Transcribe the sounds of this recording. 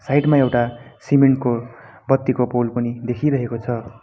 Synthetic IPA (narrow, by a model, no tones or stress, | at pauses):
sajʈmaewʈasimeɳʈ̚ko | bʌt̪ːikopolpʌnid̪ekʰiɾʌɦekot͡sʰʌ